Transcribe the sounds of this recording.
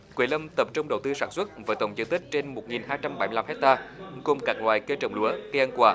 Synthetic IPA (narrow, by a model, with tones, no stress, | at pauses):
kwi˨˧˩lə˧mt̪ə˨˩p̚t͡ɕə˧ŋ͡mɗə̰˨˩wt̪ɨ˧saː˧˩nswə˦˥t̚vaː˨˦t̪ə˨˩wŋ͡mzə˧nt̪ï˦˥k̟̚t͡ɕe˧nmo˨˩t̚ŋi˨˩nɦaː˧jt͡ɕa˧mɓa˧˩˦jmɨ˧la˧hɛ˦˥k̚t̪aː˧kʊ˨˩ŋ͡mkaː˨˩k̚lwaː˨˩jkə˧t͡ɕə̰˨˩wŋ͡mlu˧˦əɣə˧ʔə˧nkwaː˧˩